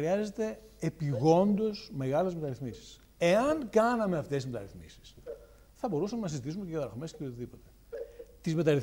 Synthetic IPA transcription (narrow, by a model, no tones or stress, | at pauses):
ɾiɐze̞t̪e̞ | epiɣo̞nd̪o̞sme̞ɣɐle̞zme̞t̪ɐɾiθmisi̥s | e̞ɐnkɐnɐme̞ɐft̪esizmet̪ɐ̰ɾiθmisi̥s | θɐbo̞ɾusɐmenɐsizit̪isumeceɣɐðɐɾɐxomesceot̪iðipo̞t̪e̞̥ | t̪izme̞t̪ɐɾiθ